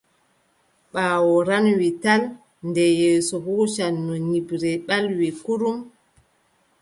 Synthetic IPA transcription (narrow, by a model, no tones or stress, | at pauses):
ɓaːwɔɾanwital | ndɛjɛːsɔhuːʃanːɔɲibɾɛɓalwikuɾum